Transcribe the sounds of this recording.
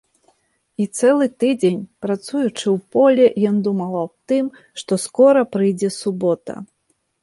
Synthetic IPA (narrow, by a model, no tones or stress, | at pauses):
it̪sɛlˠɨt̪ɨd͡zʲenʲpɾat̪sujut͡ʂɨwpɔlʲɛjɔnd̪umɐlˠɐwt̪ɨm | ʂt̪ɔskɔɾɐpɾɨjd͡zʲɛsubɔt̪ɐ̰